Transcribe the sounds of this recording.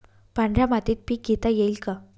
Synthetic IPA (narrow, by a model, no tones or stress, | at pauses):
panɖɾamat̪iːt̪̚pikːet̪ajeilka